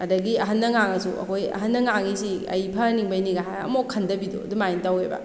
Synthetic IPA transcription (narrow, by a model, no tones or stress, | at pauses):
ɐdɐɡiɐɦɐnːɐŋaŋɐsṵʔɐ̰kʰojɐ̰ɦɐnːɐŋaŋisiɐ̰jpʰɐniŋbɐjniɡaɦajɐ̰mokʰːɐndɐbidṵɐ̰dumajntawebɐ̰